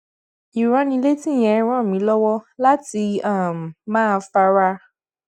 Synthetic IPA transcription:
i˨ɾã˨˧nĩ˧le˦tĩ˦˨jɛ̃˨˦ɾ̃ɔ̃˦˨mĩ˨˦lɔ˦wɔ˦la˦ti˧a˦˨m˨mãː˦˧fa˦ɾa˦

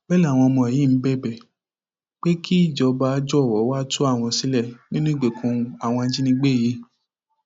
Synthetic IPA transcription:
k͡pɛ˦la˦˨w̃ɔ̃˧mɔ̃˧ɛ˨jĩ˦˨m̩˨˦bɛ˦˨bɛ˦˨ | k͡pe˦kʰi˦i˦˨d͡ʒɔ˨˧ba˧˦d͡ʒɔ˦˨wɔ˨˦wa˦tũ˦a˦˨w̃ɔ̃˧si˨˦lɛ˦˨nĩ˦nũ˦i˦˨ɡ͡be˨kʰũ˧a˨w̃ɔ̃˧n˦d͡ʒi˦nĩ˧ɡ͡be˦˨ji˨˦

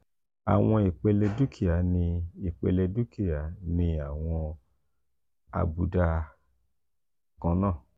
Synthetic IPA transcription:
a̰˨w̃ɔ̃˧i˨k͡pe˧le˧du˦kʰi˦˨a˨˦nĩ˧i˨k͡pḛ˧le˧du˦ki˦˨ja˨˦nĩ˧a˨w̃ɔ̃˧ | a̰˧bu˨˦da˧ | kã˦nãː˦˨

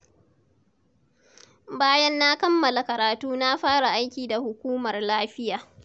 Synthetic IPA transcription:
baː˦jɐ˦nːa˦kɐ˦mːɐ˨la˨kɐ˨ɾaː˨tuː˦na˦ɸaː˦ɽa˨ʔa˦jkʲiː˨da˨hʊ˨kʷuː˦mɐ˨rlaː˦ɸɪ˦jaː˨

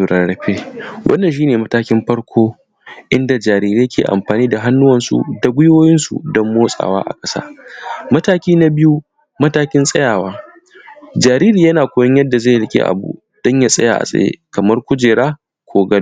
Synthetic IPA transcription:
u˨ɽɐ˨ɽɐ˨ɸeː˦wʔɐ̰˦nːɐ˨nʃ̬iː˦neː˨mɐ˦taː˦kʲɪ˦mɸɐ˦ɽkʷʰoː˦ | ʔɪ˦nda˨d͡ʒaː˨ɾiː˦ɾeː˦kʰʲeː˨ʔa̰˨mɸaː˨niː˦da˨ɦa˦nːʊ˦wɐ˨nsṵ˨da˨ɡʷʊ˦joː˦jɪ˦nsṵ˨dɔ˦mːoː˦sʼa̰ː˨wa̰ː˦ʔa̰˨kʼɐ˦sa̰ː˦mɐ˦taː˦kʲiː˦na˦bɪ˦ju˦ | mɐ˦taː˦kʲɪ˦nsʼɐ˦jaː˨waː˦ | d͡ʒaː˨ɾiː˦ɾiː˨jɐ˦naː˨kʷʊː˦jɔ˦ɲjɐ˦dːa˨zeː˦˨hlɪ˦kʲḛː˦ʔa̰˨bṵ˦ | d̥ɔ˦ɲja˦sʼɐ˦ja̰ː˨ʔa̰˨sʼɐ̰˨jḛ˦kɐ˨mɐ˦rkʷʊ˦d͡ʒeː˨ɽaː˦ | kʷʰoː˦ɡɐ˦˨

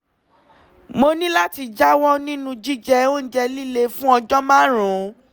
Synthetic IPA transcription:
mo˧nĩ˦la˦ti˧d͡ʒa˦wɔ˦nĩ˦nũ˦d͡ʒi˦d͡ʒɛ˧o˦n̩˦d͡ʒɛ˧li˦le˧fũ˦ɔ˧d͡ʒɔ˦mãː˦ɾ̃ũ˨˦

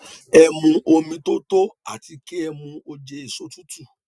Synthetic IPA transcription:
ɛ˧mũ˧ʔo˧mĩ˧to˦to˦a̰˦˨ti˧ke˦ɛ˧mũ˧o˧d͡ʒɛ˧e˦˨so˦tũ˦tu˦˨

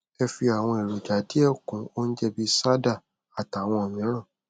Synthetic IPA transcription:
ɛ˧fi˧a˨w̃ɔ̃˧ɛ˨ɾo˨d͡ʒa˨˦ti˦ɛ˦˨kũ˨˦o˦n̩˦d͡ʒɛ˧bi˦sa˦da˦˨ | a˨ta˨w̃ɔ̃˧o˨mĩ˨˦ɾ̃ã˦˨

